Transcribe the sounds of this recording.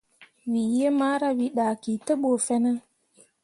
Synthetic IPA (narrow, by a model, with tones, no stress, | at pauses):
wi˨je˦ma˦ɾa˦wi˨ɗa˨ki˨tə˦ɓo˨fɛ˦nə˦